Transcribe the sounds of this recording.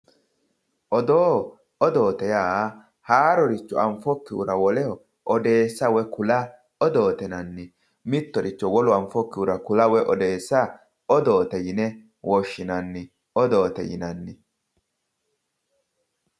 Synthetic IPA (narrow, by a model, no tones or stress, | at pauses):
ʔɔd̪oː | ɔd̪o̞ːt̪ɛjaː | haːɾɔɾɪt͡ʃːʊɐɱfɔkːɪṵɾɐwɔlɛhɔ | ʔɔd̪eːsːɐwɛkʊlɐ | ɔd̪o̞ːt̪ɛnɐnːɪ | mɪt̪ːɔɾɪt͡ʃːɔwɔlʊɐɱfɔkːɪʊɾɐkʊlɐwɛʔɔd̪eːsːɐ | ɔd̪oːt̪ɛjɪnɛ | wʔɔʃːɪnɐnːɪ | ɔd̪oːt̪ɛ̰jɪ̰nɐnːɪ